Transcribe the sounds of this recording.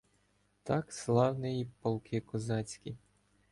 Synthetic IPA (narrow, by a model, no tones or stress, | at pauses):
t̪ɑkslˠɑwnɪjipɔlˠkʰɪkɔzɑt͡sʲkʲi